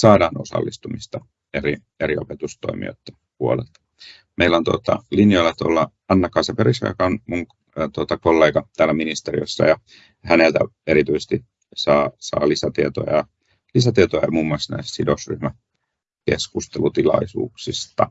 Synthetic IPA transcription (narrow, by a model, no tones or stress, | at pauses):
sɑːdɑːnosɑ̰lːist̪umist̪ɑ | eri | eriopet̪ust̪oimḭo̰t̪ːenpuolḛlt̪ɑ̥ | meilont̪uot̪ɑ̰linjoilːɑt̪o̰lːɑ | ɑnːɑkːɑnsɑperisɑ̰ikɑnmuŋ | t̪uot̪ɑkolːeːɡɑt̪æːlːæminist̪erioisːɑ̰jɑ | hænelt̪æ̰eɾit̪yisest̪i | sɑːsɑ̰ːlisæt̪iet̪o̰jɑ̰jɑ | lisæt̪iet̪ojɑjɑmuːmːuɑˑsnæ̰issidosryhmæ | keskust̪elut̪ilɑ̰isṵːksist̪ɑ